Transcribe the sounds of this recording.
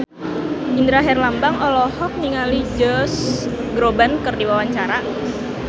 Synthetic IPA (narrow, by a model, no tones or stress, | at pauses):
ʔind̪ɾaɦɛrlambaŋɔlɔhɔk̚niŋalid͡ʒɔsɡɾobankərdiwawaɲt͡ʃaɾa